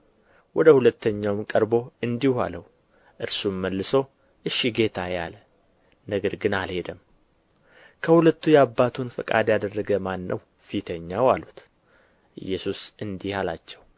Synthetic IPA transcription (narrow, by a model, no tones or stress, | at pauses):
wʔɔd̪əhulət̪ʰːəɲːawɨmkʼəɾbo̞ɨnd̪iha̰ləw | ʔɨɾsumːəlːɨso̞ | ʔɨʃːiɡe̞t̪ʰajalə | nəɡəɾɡɨnalhe̞d̪əm | kʰəhulət̪ːujɛabːat̪ʰunfəkʼa̰d̪jad̪ərːəɡəmanːə̰w | fit̪ʰəɲːawalut̪ | ʔɨ̰jːɛsusʔɨnd̪ihalat͡ʃːɛw